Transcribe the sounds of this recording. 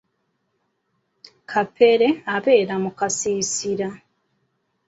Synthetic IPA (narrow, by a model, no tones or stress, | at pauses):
kʰapʰe̞ɾe̞aβe̞ːɾamukasiːsiɾa